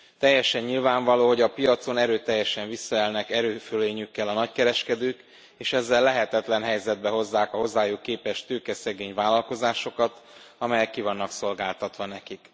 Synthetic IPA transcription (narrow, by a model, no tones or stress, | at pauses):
t̪ɛjːɛʃɛɲːilvaːɱvɒloːɦo̞ɟɒpijɒt̪so̞nɛɾøːt̪ɛjːɛʃɛɱvisːɒɛlnɛkɛɾøːføleːɲykːɛlɒnɒckɛɾɛʃkɛd̪øːk | eːʃɛzːɛlːɛɦɛt̪ɛt̪lɛnɦɛjzɛd̪̚bɛɦo̞zːaːkɒɦo̞zːaːjukːeːpɛʃt̪øːkɛsɛɡeːɲvaːlɒlko̞zaːʃo̞kɒt̪ɒmɛjɛkːivɒnːɒkso̞lɡaːlt̪ɒt̪ʋɒnɛkik